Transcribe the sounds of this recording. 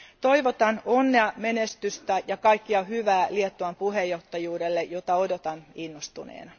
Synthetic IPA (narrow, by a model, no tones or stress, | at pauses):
t̪oiʋot̪ɑnonːeɑmenest̪yst̪æjɑkɑikːiɑhyʋæːliet̪ːoɑmpuhejːoht̪ːɑjuːdelːejot̪ɑodot̪ɑninːost̪unḛːnɑ